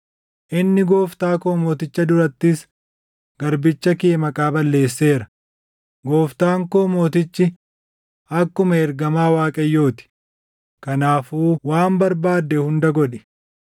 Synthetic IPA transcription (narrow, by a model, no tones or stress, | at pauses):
ʔɪnːɪɡoːft̪aːkoːmoːt̪ɪt͡ʃːɐd̪ʊɾɐt̪ːɪs | ɡ̥ɐɾbɪt͡ʃːɐkeːmɐkʼaːbɐlːe̞ːsːe̞ːɾɐ | ɡo̞ːft̪aːŋkoːmoːt̪ɪt͡ʃːɪ | ʔɐkːʊmɐɛɾɡɐmaːwaːkʼɐjːoːt̪ɪ̥ | kɐnaːfuːwaːmbɐɾbaːd̪ːɛhʊnd̪ɐɡɔᶑɛ̥